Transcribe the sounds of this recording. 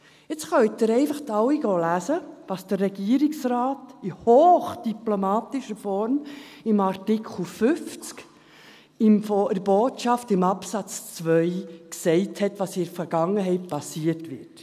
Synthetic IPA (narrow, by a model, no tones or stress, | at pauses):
ɪt͡sχœwɪt̪ɪɾɛɪfəχtɑwiɡ̥oːlæːsəʋɑːsd̥ərːɛɡ̥iːəɾɪksrɑːtihoːχd̥iplomɑːtɪʃəfɔɾm | ɪmɑɾtɪkʰl̩fʏft͡sk | ɪmfɔɪboːtʃɑftɪmɑpsɑt͡st͡sʋœʏksɛɪthɛtʋɑsɪəfəɾɡ̥ɑŋːəɦɛɪt̚pɑsiːətʋɪt